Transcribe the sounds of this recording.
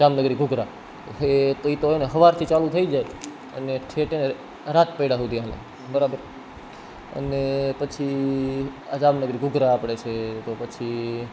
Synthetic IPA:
d͡ʒamnəɡɾiɡʱʊɡɾa | ɦet̪oit̪oeneɦəʋaɾt̪ʰit͡ʃalũt̪ʰəid͡ʒaj | ə̰neʈʰeʈene | ɾat̪pəjɽaɦud̪ʱialḛ | bəɾabəɾ | ə̰nepət͡ʃʰi | ad͡ʒamnəɡɾiɡʱʊɡɾaːpɽet͡ʃʰet̪opət͡ʃʰi

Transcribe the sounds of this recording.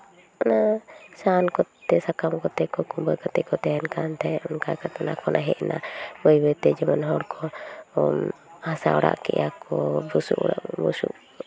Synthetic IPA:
ɔnasankɔt̪ɛsakamkɔt̪ɛkɔkumbəkat̪ɛkɔt̪ɛɛnkant̪ʰɛɔnkakat̪ɔnakʰɔnʔaɦɛʔna̰bəjbɛt̪ɛd͡ʒɛmanɦɔɽkʰɔ | hasa̰ɔɽa̰ʔkɛ̰jakɔbusṵʔɽa̰ʔbusṵʔ

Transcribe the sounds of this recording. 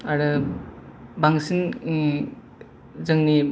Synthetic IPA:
aɾɯ | baŋsin | zɯŋni

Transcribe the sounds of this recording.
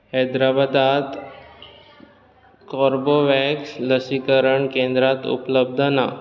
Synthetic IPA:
həjd̪ɾabad̪at̪ | kɔɾboʋɛksləsikəɾəɳkẽnd̪ɾat̪ṵpləb̚d̪ʱəna

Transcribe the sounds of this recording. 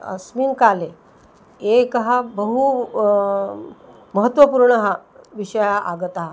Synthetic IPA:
ə̰smiːnkale | ekɦabəɦu | məɦət̪ːʋəpuɾɳəɦaʋiɕəjaʔaɡət̪aɦa

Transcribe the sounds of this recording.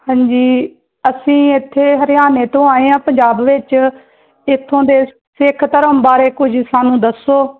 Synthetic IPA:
hãːɲd͡ʒiː | əsĩːɪt̪ʰːeːɦəɾɪjaːneːt̪õːaːẽːãːpə̃ɲd͡ʒaːbʋɪt͡ʃ | ɪt̪ʰːõːd̪eː | sɪkʰt̪əɾəmbaːɾeːkʊd͡ʒsaːnũːd̪əsoː

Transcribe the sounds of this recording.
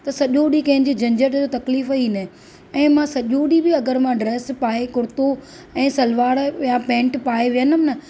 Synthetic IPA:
t̪ɐsɐʄoːɖikɐ̃ɦɪ̃ɲd͡ʑiːd͡ʑɐ̃ɲd͡ʑəɾd͡ʑot̪ɐkliːfiːnɐ | ɛ̃ːmãsɐʄoɽibɪɐɡəɾmãɖɾeːspaːekʊɾɪt̪o | ɛ̃ːsɐlʋaːɽjapɛ̃ːɳʈpaːeʋijənəmɪnɐ

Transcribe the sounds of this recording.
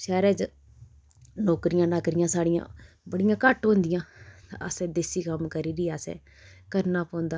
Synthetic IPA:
ʃɛːɾɛːd͡ʒ | noːkɾɪjãːnaːkɾɪjãːsaːɽɪjã̰ː | bəɽɪjãːkəʈɦõːnd̪ɪjãːt̪ã̰əsɛ̃ːd̪eːsiːkəmkəɾiːɾiːaːsɛ̰̃ː | kəɾnaːpõːnd̪aː

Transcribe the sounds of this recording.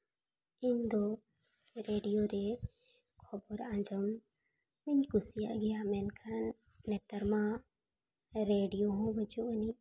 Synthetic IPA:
ind̪ɔ | ɾeɖijoɾɛ | kʰɔbɔɾãɲd͡ʒɔm | mɛɲkusija̰ɡɛjamɛnkʰanː | ɛt̪əɾmã | ɾeɖijoɦɔ̃bəd͡ʒuəni

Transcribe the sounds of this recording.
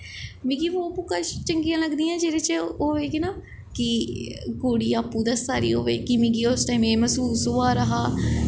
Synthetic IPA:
mĩɡiːʋoːpukəʃt͡ʃəŋɡijãːləɡd̪iːãːd͡ʒeːɾeːt͡ʃoːeːkinaː | kiɡoːɽiːaːpːuːd̪asaːɾḭːo̰ːʋḛːkimĩɡiːosʈaːimeːməsuːsɦoːaːɾəɦaː

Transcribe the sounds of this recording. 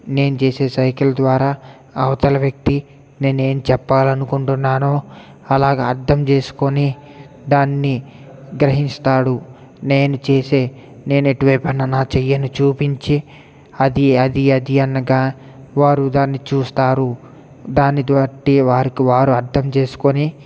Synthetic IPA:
ne̞ːnut͡ʃe̞ːse̞ːsɐjkɐlɐd̪ʋaːɾaː | ɐʋɐt̪ɐlɐʋjɐk̚t̪i | ne̞ːne̞ːnut͡ʃɛpːaːlɐnukuɳʈunːaːnoː | ɐlaːɡaːɐɾd̪ʰɐmt͡ʃe̞ːsu̥koni | d̪aːnːi | ɡɾɐɦinst̪aːɽu | ne̞ːnut͡ʃe̞ːse̞ː | ne̞ːnueʈuʋɐpɐnɐnaːt͡ʃɛjːɐnut͡ʃuːpiɲt͡ʃi | ɐd̪iɐd̪iɐd̪iɐnːɐɡaː | ʋaːɾud̪aːnːit͡ʃuːst̪aːɾu | d̪aːnːid̪ʋaːʈiʋaːɾikiʋaːɾuɐɾd̪ʰɐmt͡ʃe̞ːsu̥koni

